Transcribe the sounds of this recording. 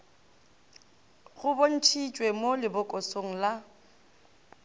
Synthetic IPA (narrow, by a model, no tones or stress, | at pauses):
ɣʊbon̩tʰit͡ʃʼwemolɪbʊkʼosoŋ̩la